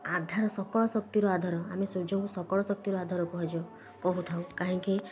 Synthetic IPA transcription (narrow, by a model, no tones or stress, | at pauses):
ad̪ʱaɾɔsɔkɔɭɔsɔk̚t̪iɾɔad̪ʱɔɾɔa̰mesod͡ʒɔŋkusɔkɔɭɔsɔk̚t̪iɾɔad̪ʱɔɾɔkuɦad͡ʒɔ | kɔɦut̪ʰawkaɦɔ̃ŋki